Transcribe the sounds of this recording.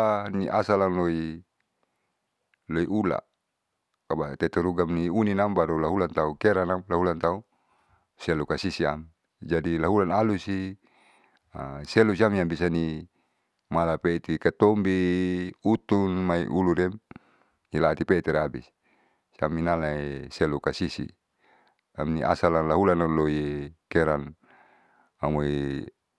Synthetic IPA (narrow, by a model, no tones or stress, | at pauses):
niʔasalaŋloi | loiʔula̰ | kabat̪et̪ɛɾuɡamniuninambaɾulaɦulant̪aukeɾanamlaɦulant̪au | selukasisia̰m | d͡ʒadilaɦulanalusi | asɛlusiamiambisani | malapet̪ikat̪ombi | ut̪unmaḭʔuluɾɛm | ilat̪ipeit̪iɾabis | sa̰minalaeselukasisḭ | amniʔa̰salalaɦulanalojekeɾan | amoi